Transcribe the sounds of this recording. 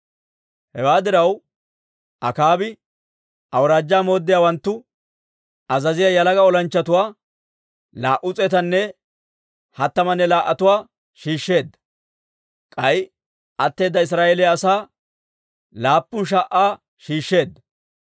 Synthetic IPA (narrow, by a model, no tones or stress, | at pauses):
hɛwaːd̪ɪɾɐw | ʔɐkaːbɪ | ʔɐwɾaːd͡ʒːaːmo̞ːd̪ːɪjaːwɐnt̪ːʊ | ɐzɐzɪjajɐlɐɡɐɔlɐnt͡ʃːɐt̪ʊwaː | laːʔʊt͡sʼɛt̪ɐnːɛ | hɐt̪ːɐmɐnːɛlaːʔɐt̪ʊwaː | ʃiːʃːe̞ːd̪ːɐ̥ | kʼɐj | ʔɐt̪ːe̞ːd̪ːɐɪs̬ɾaːjelɪɐsaː | laːpːʊnʃ̬aʔːaː | ʃiːʃːe̞ːd̪ːɐ